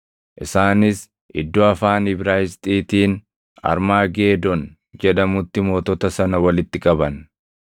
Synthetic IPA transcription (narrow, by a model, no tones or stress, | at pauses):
ʔɪsaːnɪs | ʔɪ̰d̪ːoɐfaːnɪbɾaːɪst̪ʼiːt̪iːn | ɐ̰ɾmaːɡe̞ːd̪ɔn | d͡ʒɛᶑ̪ɐmʊt̪ːɪmo̞ːt̪ɔt̪ɐsɐnɐwɐlɪt̪ːɪkʼɐbɐn